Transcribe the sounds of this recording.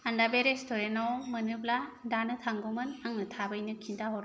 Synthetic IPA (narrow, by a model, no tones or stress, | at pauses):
andabeɾestʰɔɾenɔwmɯnɯbladanɯtʰaŋɡumɯnaŋɯtʰabɯjnɯkʰintaɦɔɾ